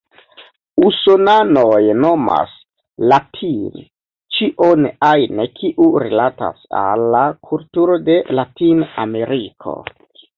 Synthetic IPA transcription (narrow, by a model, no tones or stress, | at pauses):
usonanojno̞ma̰s | latʰin | t͡ʃiʔo̞najnekʰiʔuɾelata̰sa̰lːakʰultuɾo̞de̞latiname̞ɾikʰo̰